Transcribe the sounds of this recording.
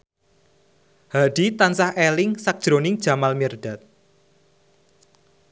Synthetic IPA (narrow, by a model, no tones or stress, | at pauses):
haɖ̥it̪ansahʔelɪŋsak̚d̥ʒ̥ɾonɪŋd̥ʒ̥a̤malmird̪̥a̤t̪̚